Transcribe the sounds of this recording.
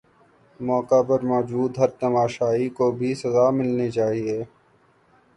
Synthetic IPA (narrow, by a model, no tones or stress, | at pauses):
mɔːkapɐɾmɔːd͡ʒuːd̪ɦɐɾt̪ɐmaːʃaːɦikobʱisɐzaːmɪlnet͡ʃaːɦieː